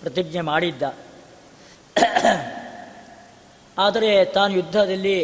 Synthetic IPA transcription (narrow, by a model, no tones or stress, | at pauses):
pɾɐt̪iɡnemaːɽid̪ːɐ | aːd̪ɐɾet̪aːnujud̪ʱːɐd̪ɐlːi